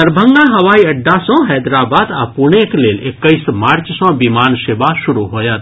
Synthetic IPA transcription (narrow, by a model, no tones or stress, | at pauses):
əɾbʱəŋɡaɦɐʋaːiɐɖːasɔ̃ɦɛːd̪ɾaːbaːd̪apuɳ̃ekleːlekːəismaːɾt͡ʃsɔ̃bimaːnʃebaʃʊɾuɦoːjat̪̚